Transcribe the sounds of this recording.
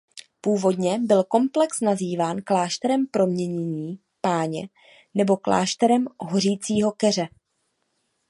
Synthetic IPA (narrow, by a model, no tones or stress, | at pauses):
puːvo̞dɲɛbɪlko̞mplɛksnaziːvaːnklaːʃt̪ɛɾɛmpɾo̞mɲɛɲɛɲiː | paːɲɛ̰ | nɛbo̞kla̰ːʃt̪ɛɾɛmɦor̝iːt͡siːɦo̞kɛr̝ɛ